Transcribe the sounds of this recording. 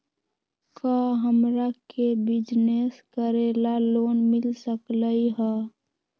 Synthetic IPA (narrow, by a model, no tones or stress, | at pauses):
kaɦəmɾakebɪd͡ʒneskəɾeːlaloːnmɪlsəkləiɦɛ